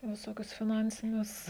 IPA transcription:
ʋʲɪˈsoːkʲʊs fʲɪˈnɐnʲsʲɪnʲʊs

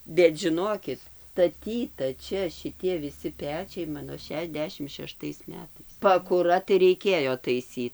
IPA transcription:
bʲɛt ʒʲɪˈnoːkʲɪt stɐˈtʲiːtɐ ˈt͡ʃʲɛ ʃʲɪˈtʲiɛ ʋʲɪˈsʲɪ ˈpʲæːt͡ʃʲɛɪ ˈmɑːnoː ʃʲɛʃʲɛzʲˈdʲæːʃʲɪmt ʃʲɛˈʃtɐɪs ˈmʲæːtɐɪs pɐkʊˈrɐ tɐɪ rʲɛɪˈkʲeːjoː tɐɪˈsʲiːt

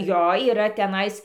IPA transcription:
ˈjoː iːˈrɐ tʲɛˈnɐɪs

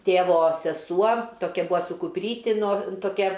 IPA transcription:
ˈtʲeːʋoː sʲɛˈsuɔ ˈtoːkʲɛ ˈbʊɐ sʊ kʊpʲˈrʲiːtʲɪ noːr toːˈkʲɛ

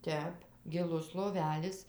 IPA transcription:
ˈtʲɛp ɡʲɪˈlˠʊs lˠoːˈʋʲæːlʲɪs

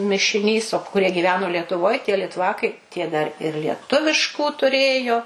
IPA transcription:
mʲɪʃʲɪˈnʲiːs oː kʊˈrʲiɛ ɡʲiːˈʋʲæːnoː lʲiɛtʊˈʋoːj tʲiɛ lʲɪtˈʋɑːkɐɪ tʲiɛ dɐr ɪr lʲiɛˈtʊʋʲɪʃkuː tʊˈrʲeːjoː

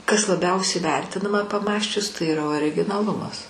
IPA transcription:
kɐs lˠɐˈbʲɛʊsʲɛɪ ˈʋʲɛrʲtʲɪnɐmɐ pɐˈmɑːsʲt͡ʃʲʊs tɐɪ iːˈrɐ oːrʲɪɡʲɪnɐˈlˠʊmɐs

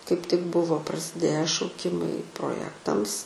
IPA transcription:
kɐɪp tʲɪk ˈbʊʋoː prɐsʲɪˈdʲeːjæː ʃɐʊˈkʲɪmɐɪ proːˈjæːktɐms

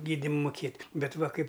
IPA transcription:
ˈɡʲiːdʲɪm mʊˈkʲeːtʲ bʲɛt ʋɐ kɐɪp

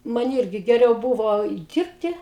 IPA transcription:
ˈmɐn ˈiːrʲɡʲɪ ɡʲɛˈrʲɛʊ ˈbʊʋoː ˈdʲiːrʲpʲtʲɪ

